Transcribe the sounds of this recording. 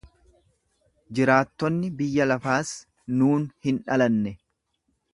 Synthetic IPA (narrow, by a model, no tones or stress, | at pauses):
d͡ʒɪɾaːt̪ːɔnːɪbɪjːɐlɐfaːs | nuːnhɪnᶑɐlɐnːɛ